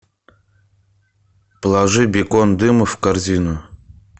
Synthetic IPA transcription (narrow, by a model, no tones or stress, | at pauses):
plˠɐʐɨbʲɪkond̪ɨməfkarzʲinʊ